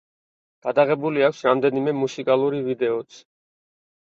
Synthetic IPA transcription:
ɡ̥ad̪aʁɛbuliakʷʰsɾamd̪ɛnimɛmusikʼalˠuɾivid̪ɛɔt̪sʰ

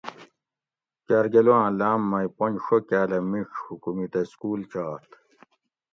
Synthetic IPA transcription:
kaɾɡeluãːlaːmːɐjponʂokaːlɐmiʂhukumit̪ɐskuːlt͡ɕaːt̪

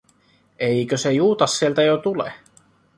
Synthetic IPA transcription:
ejkøsejuːt̪ɑsːielt̪æjot̪ulḛ

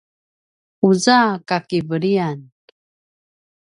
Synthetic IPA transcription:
uzakakivəɾian

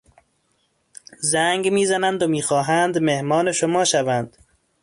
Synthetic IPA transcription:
zæŋɡmiːzænænd̪omiːxɒːɦænd̪mehmɒːneʃomɒːʃævænd̪̥

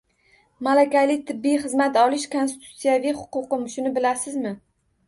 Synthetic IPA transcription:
malakʲajlɪt̪ʰɪbːijχɨzmat̪ɒlɪʃkʰonst̪ɪ̥t̪ʰu̥t̪sijavijχʊ̥qʊqɨmʃʊnɪbɪlasɪzmɪ

